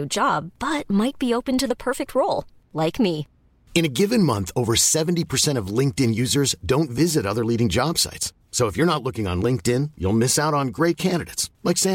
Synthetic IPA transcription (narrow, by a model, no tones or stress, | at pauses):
ʉd͡ʒɑb̚bʌt̚maɪt̚b̥ioʊpɨ̃ntɨðəpʰɜ˞fɨk̚t̚ʰɹoʊlˠ | laɪkmi | ɨ̃ñɨɡɪvɨ̃nmʌ̃nθoʊvə˞sɛṽn̩tipʰə˞sɛ̃ɾ̃ʌvlɪ̃ŋk̚tɪ̃njʉzə˞zdõʊ̃ntvɪzɨɾʌðə˞liɾɪ̃ŋd͡ʒɑb̥sa̰ɪts | soʊəfjə˞nətˡlʊkɪ̃ŋə̰̃nlɪ̃ŋk̚tɪ̃njṵlˠmɪsaʊɾn̩ɡɹeɪt̚kʰæ̃ndɨɾḛtslaɪksæ̃